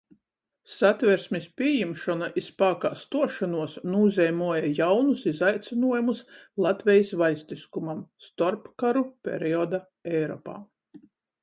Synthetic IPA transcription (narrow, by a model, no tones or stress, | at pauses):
sat̪vʲɛɾsmispʲiɛjimʃɔnaʔispaːkaːst̪uɔʃanuɔsnuːzʲɛjmuɔjajawnusizajt̪sʲinuɔjumuslˠat̪vʲɛjisvajst̪iskumamst̪ɔɾpkaɾupʲḛɾiɔd̪a | ɛjɾɔ̰ːpa̰ː